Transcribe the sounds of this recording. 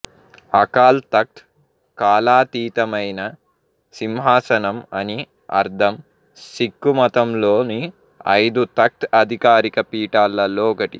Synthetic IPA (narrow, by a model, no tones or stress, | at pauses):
ɐkaːlt̪ɐk̚t̪ | kaːlaːt̪iːt̪ɐmɐjnɐ | simɦaːsɐnɐmɐni | ɐ̰ɾd̪ʱɐm | sikːumɐt̪ɐmloːni | ɐ̰jd̪ut̪ɐk̚t̪ɐd̪ʱikaːɾikɐpiːʈaːlːɐlɔːkɐʈḭ